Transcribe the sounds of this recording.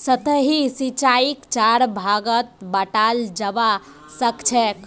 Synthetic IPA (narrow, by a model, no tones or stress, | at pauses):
sət̪əɦisit͡ʃaikt͡ʃaɾbʱaɡət̪̚bəʈald͡ʒəba | səkt͡ʃʰɛk